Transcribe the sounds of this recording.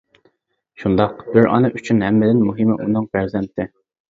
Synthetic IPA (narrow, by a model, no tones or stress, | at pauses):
ʃund̪ɑqb̥ɪɾʔɑ̰nɨʔyt͡ʃʰynhɛmːɪd̪ɪnmuɦɨmɪʔunɨŋbæɾzɛmt̪ʰɪ